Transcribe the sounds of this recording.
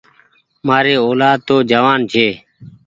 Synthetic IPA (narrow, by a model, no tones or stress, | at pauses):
maːɾeːoːlaːd̪̚t̪oːd͡ʒəʋaːnd͡ʒʱeː